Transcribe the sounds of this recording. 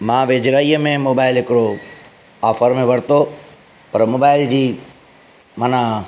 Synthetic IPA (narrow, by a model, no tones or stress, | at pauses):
mãːʋeːd͡ʑɾaːiːəmẽmoːbaːɪlɦɪkɪɾo | aːfəɾmẽʋɐɽ̤t̪o | pɐɾmoːbaːɪld͡ʑiː | maːna